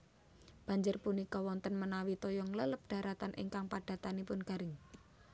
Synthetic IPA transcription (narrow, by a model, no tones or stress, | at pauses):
b̥ä̤ɲd͡ʒʊrpunikɔwɔnt̪ənmənawit̪ojɔŋlələp̚ɖ̥ä̤ɾʔat̪anʔɪ̰ŋkaŋpaɖ̥a̤t̪anipʊnɡ̥a̤ɾɪŋ